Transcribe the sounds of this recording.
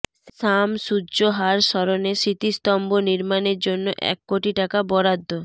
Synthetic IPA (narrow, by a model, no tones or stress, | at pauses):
ʃamʃudʑoɦaɾʃɔɾoneʃit̪ist̪ɔmboniɾmaneɾd͡ʑonːoʔɛ̰kːoʈiʈakabɔɾad̪ːo